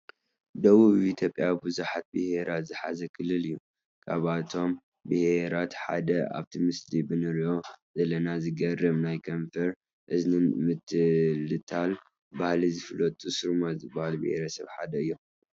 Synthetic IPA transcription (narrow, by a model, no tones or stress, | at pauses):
d̪ɐβuβit̪ʰjo̞pʼjabɨzuħat̪̚bɨheɾazɨħa̰zɐkʰɨlːɨlɨjːu | kʰaβat̪ʰo̞m | bɨheɾat̪ħa̰d̪ɐa̰βt̪ʰimɨslibɨnɨɾjo̞zɐlɐnazɨɡɐrɐmnajkʰɐnfɐɾ | ʔɨznmɨt̪ʰːlɨt̪ʰal | bahlizɨfɨlɐt̪ʼusɨɾmazɨbahalbɨ̰heɾɐsɐ̰βħad̪ɐɨjːo